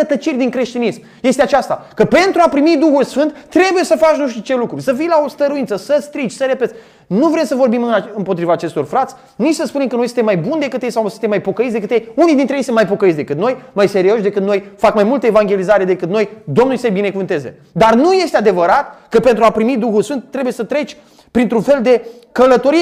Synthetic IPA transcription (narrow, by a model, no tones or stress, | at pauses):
ət̪ət͡ʃirʲd̪iŋkɾe̞ʃt̪inism | je̞st̪eat͡ʃast̪a̰kəpe̞nt̪ɾuapɾimid̪uxulsfɨnt̪t̪ːɾe̞buje̞səfat͡ʃnuʃt̪it͡ʃe̞lukɾusəfijlao̞st̪əɾuinsəsəst̪ɾit͡ʃʲsəɾe̞pe̞t̪ | nuvɾe̞msəvo̞rbimɨɨmpot̪ɾivaːt͡ʃe̞st̪o̞rfɾat̪sʲ | nit͡ʃsəspune̞mkəno̞jsɨnt̪emːajbund̪e̞kɨt̪jejsawsɨnt̪emːajpo̞kəit̪sd̪ekɨt̪jejunijd̪int̪ɾejejsɨnmajpo̞kəit̪sd̪e̞kɨt̪no̞jmajse̞ɾio̞ʃd̪e̞kɨt̪nojfakmajmult̪əevaŋɡʲe̞lizaɾe̞d̪e̞kɨt̪nojd̪o̞mnulʲsejbine̞kuvɨnt̪e̞ze̞̰ | d̪arnuje̞st̪ead̪e̞vəɾat̪kəpent̪ɾuapɾimid̪uxulsfɨnt̪ːɾe̞bujesət̪ɾe̞t͡ʃʲ | pɾint̪ɾunfe̞ld̪e̞ | kələt̪o̞ɾie